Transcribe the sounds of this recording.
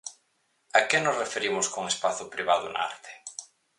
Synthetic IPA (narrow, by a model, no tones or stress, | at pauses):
akenosrefeɾimʊskoŋespaθʊpɾiβ̞aðʊna̰a̰ɾt̪ʰe̥